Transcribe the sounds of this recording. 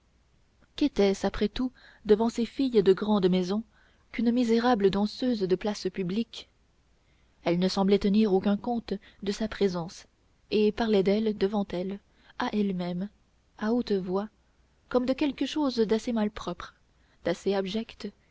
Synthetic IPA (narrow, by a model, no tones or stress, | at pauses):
kɛt̪ɛsapχɛt̪u | d̪əvɑ̃sefijd̪əɡʁɑ̃d̪mɛzɔ̃ | kynmizeʁabləd̪ɑ̃søzd̪əplaspyblik | ɛlnəsɑ̃blɛt̪əniʁokʲɛ̃kɔ̃t̪ | d̪əsapχezɑ̃s | epaʁlɛd̪ɛld̪əvɑ̃t̪ɛl | aʔɛlmɛm | aot̪vwa | kɔmd̪əkʲɛlkəʃozd̪asemalpχɔpχ | d̪̥aseabʒɛkt̪